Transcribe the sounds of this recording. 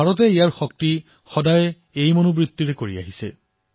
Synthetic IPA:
aɹɔtɛijaɹxɔk̚ti | xɔdaj | ejmonubɹit̪ːiɹɛkoɹḭa̰ɦisɛ̰

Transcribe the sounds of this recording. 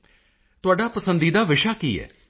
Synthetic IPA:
t̪oaːɖaːpəsənd̪iːd̪aːʋɪʃaːkiːɛ̰ː

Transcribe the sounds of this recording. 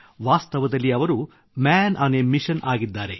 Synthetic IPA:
ʋaːst̪ɐʋɐd̪ɐlːiɐʋɐɾu | maːnʔanemiʃɐnaːɡid̪ːaːɾe̞

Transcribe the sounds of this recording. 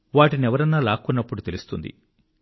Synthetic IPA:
ʋaːʈinɛʋɐɾɐnːaːlaːkːunːɐpːuɽut̪e̞lust̪und̪ḭ

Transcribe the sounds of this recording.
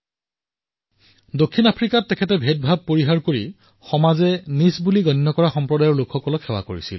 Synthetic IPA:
dokʰːinapʰɹikatːɛkʰɛtɛbʱet̚bʱab̚poɹiɦaɹkoɹi | xɔmazɛnisbuliɡɔnːɔkɔɹaxɔmpɹɔdajɔɹlokxɔkɔlɔkxɛwa̰ko̰ɹisḭl

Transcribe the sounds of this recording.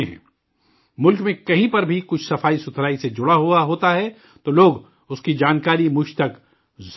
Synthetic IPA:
ɦɛ̰̃ː | mʊlkmẽkɐɦĩpɐɾbʱikʊt͡ʃʰsɐfaːisʊt̪ʰɾaːised͡ʒʊɽaɦuaɦoːt̪aɦɛ | t̪oːloːɡ | ʊskid͡ʒaːnkaːɾimʊʃt̪ɐk | z

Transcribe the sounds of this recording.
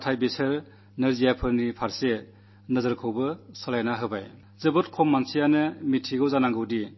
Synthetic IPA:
tʰajbesɯɾ | nɯɾzijapʰɯɾnipʰaɾse | nɯzɯɾkʰɯwbɯsɯlajnaɦɯbaj | zɯbɯtkʰɔmːansijanɯmitʰiɡɯwzanaŋɡɯwdi

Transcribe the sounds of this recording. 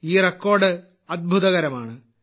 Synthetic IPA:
iːrekːo̞ːɖɨ | ɐd̪̚bʱuðɐɣɐɾɐmaːɳɨ

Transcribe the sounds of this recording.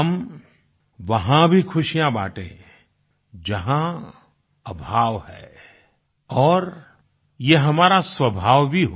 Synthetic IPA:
ɐm | ʋɐɦãbʱikʰʊʃijãba̰ːʈḛ̃ | d͡ʒɐɦã | ɐbʱaːʋhɛ̰ː | ɔːɾ | jeɦɐmaːɾaswɐbʱaːʋbʱiɦo

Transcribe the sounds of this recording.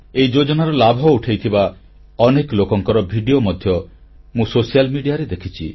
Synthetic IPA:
ejd͡ʒod͡ʒɔnaɾɔlabʱɔuʈʰejt̪ʰiba | ɔneklokɔŋkɔɾɔbʱiɖiomɔd̪ʱjɔ | mũsosialmiɖiaɾed̪ekʰit͡ʃʰi

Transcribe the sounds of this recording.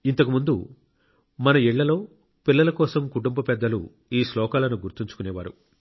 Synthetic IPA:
int̪ɐk̬umund̪ṵ | mɐnɐiɭːɐlo̞ː | pilːɐlɐkɔːsɐmkuʈumbɐpɛd̪ːɐlṵ | iːslɔːkaːlɐnuɡuɾt̪iɲt͡ʃu̥kunɛːʋa̰ːɾu

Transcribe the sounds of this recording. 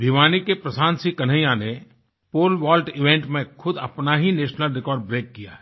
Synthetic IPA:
bʱimaːnikepɾɐsãːnsikɐn̤əjãne | poːlʋaːlʈɪʋẽɳʈmẽkʰʊd̪ɐ̰pnaɦineːʃnəlɾɪkɔːɾɖ̚bɾeːkːija̰ːɦɛ

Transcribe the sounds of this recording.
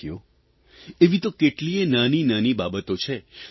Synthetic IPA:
jo | eʋit̪okeʈlienaninanibabət̪ot͡ʃʰe

